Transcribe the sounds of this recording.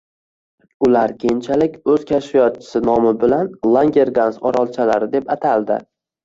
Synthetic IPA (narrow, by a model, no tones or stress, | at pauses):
ʊlaɾkʲʰent͡ʃʰalɪkʲɵz̥kʲʰaʃfijɒt̪̚t͡ʃʰɪ̥sɪnɒmɪbɪlanlˠaŋɡʲe̞ɾɡansɒɾɒlˠt͡ʃʰalaɾɪd̪e̞pat̪ʰald̪ɪ̰